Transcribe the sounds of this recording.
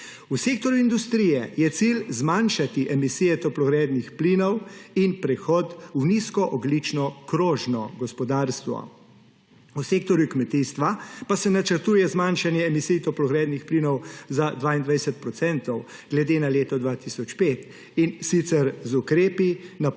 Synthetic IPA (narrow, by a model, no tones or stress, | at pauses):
useːkt̪ɔɾjuind̪ust̪ɾijɛjɛt̪silzmanʃat̪iʔɛmisiːjɛt̪ɔplɔɣɾɛːd̪nixplinɔwinpɾɛxɔt̪wniskɔʔɔɡlit͡ʃnɔkɾoːʒnɔɡɔspɔd̪aːɾst̪ʋɔ̰ | useːk̚t̪ɔɾjukmɛt̪ist̪ʋapasɛnat͡ʃəɾt̪uːjɛzmanʃanjɛːmisijt̪ɔplɔɣɾɛːd̪nixpliːnɔwzad̪ʋaːind̪ʋajsɛt̪̚pɾɔt̪sɛnt̪ɔw | ɡ̥lɛd̪eːnaleːt̪ɔd̪ʋaːt̪isɔt͡ʃpeːt̪ | insit̪sɛɾzukɾeːpina